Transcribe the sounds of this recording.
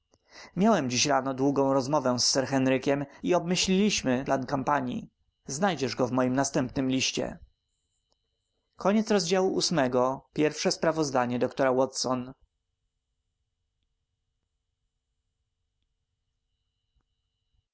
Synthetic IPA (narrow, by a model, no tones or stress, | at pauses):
mʲjawɛmd͡ʑiɕɾanɔd̪wuɡɔ̃w̃ɾɔzmɔvɛsːɛɾxɛnɾɘkʲɛmiɔbmɘɕlʲilʲiɕmɘplankampaɲḭ | znajd͡ʑɛʐɡɔvmɔjimnast̪ɛmpnɘmlʲiɕt͡ɕɛ̰ | kʰɔɲɛt̪sɾɔzd͡ʑawuʔusmɛɡɔpʲjɛɾfʂɛspɾavɔzd̪aɲɛd̪ɔkt̪ɔɾawɔt̪sɔn